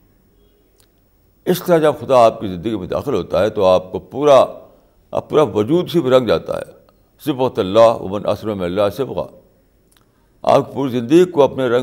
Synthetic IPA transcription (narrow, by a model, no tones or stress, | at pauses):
ɪst̪ɐɾad͡ʒɐbxʊd̪aaːp̚kizɪ̃nd̪əɡimẽd̪a̰ːxɪlɦoːt̪aɦɛt̪oaːp̚kopuːɾa̰ | puːɾaʋɐd͡ʒuːd̪sipeɾɐ̃ŋɡd͡ʒa̰ːt̪a̰ɦɛ̰ː | sɪbqt̪ɐlːaːɦwɐ̰mɪnʔɐ̰sɾɐmɪɐlːaːsɪbqa̰ː | a̰ːp̚kipuːɾizɪ̃nd̪əɡikoɐpneɾɐ̃